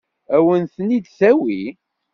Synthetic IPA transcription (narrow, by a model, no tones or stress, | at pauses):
æwənθənid̪sæwi